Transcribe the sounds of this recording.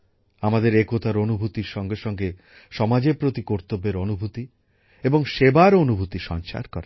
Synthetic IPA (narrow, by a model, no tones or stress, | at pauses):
amad̪eɾekot̪aɾonubʱut̪iɾʃɔŋɡeʃɔŋɡe | ʃɔmad͡ʑeɾpɾot̪ikoɾt̪obːeɾonubʱut̪i | eboŋʃebaɾonubʱut̪iʃɔ̰nt͡ʃa̰ɾkɔɾa